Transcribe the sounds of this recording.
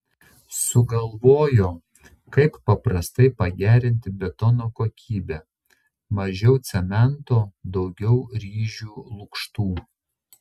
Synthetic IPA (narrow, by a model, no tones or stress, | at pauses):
sʊɡɐlˠʋoːjoː | kɐɪppɐpɾɐst̪ɐɪpɐɡʲæːɾʲɪnʲt̪ʲɪbʲɛt̪ɔnoːkoːkʲiːbʲɛː | mɐʒʲɛʊt̪sʲɛmʲɛnt̪oːd̪ɒʊɡʲɛʊɾʲiːʒʲuːlˠʊkʃt̪uː